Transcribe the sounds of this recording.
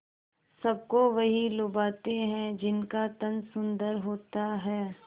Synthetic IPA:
sɐb̚koʋɐɦilʊbaːt̪eɦɛ̃d͡ʒɪnkat̪ɐnsʊ̃nd̪əɾɦoːt̪aɦɛː

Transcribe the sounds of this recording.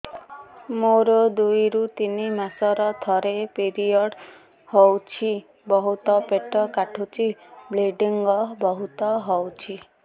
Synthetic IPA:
moɾod̪ujɾut̪inimasɔɾɔt̪ʰɔɾepeɾijɔɽ | hɔwt͡ʃʰi | bɔɦut̪ɔpeʈɔkaʈʰut͡ʃʰibleɖiŋɡɔbɔɦut̪ɔɦɔwt͡ʃʰi

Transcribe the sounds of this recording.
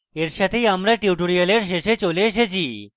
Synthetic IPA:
eɾʃat̪ʰejamɾaʈiuʈoɽijaleɾʃeʃet͡ɕolieʃet͡ɕʰi

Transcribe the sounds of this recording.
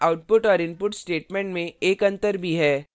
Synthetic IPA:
aʊʈ̚pʊʈɔːɾɪ̃npʊʈsʈeːʈmẽɳʈmẽeːkɐ̃nt̪əɾbʱiɦɛː

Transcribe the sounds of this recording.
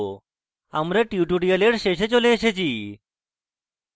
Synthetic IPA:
a̰mɾəʈjuʈuɖijəleɽɕeɕet͡ɕoleəɕet͡ɕiː

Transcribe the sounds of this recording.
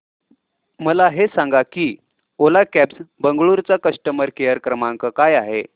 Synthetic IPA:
məlaɦesaŋɡakiː | olakæpsbəŋɡɭuɾt͡sakəsʈəməɾkejəɾkɾəmaŋkəkajaɦe

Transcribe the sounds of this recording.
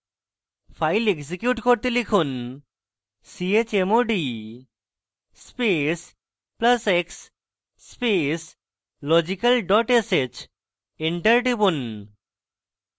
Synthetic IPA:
fʰajleɡs̬ikjuʈkoɾt̪elikʰun | siet͡ɕemoɖi | spes | plaseksː | pes | lɔd͡ʑikalɖɔʈeset͡ɕ | eɳʈɐɾɖibun

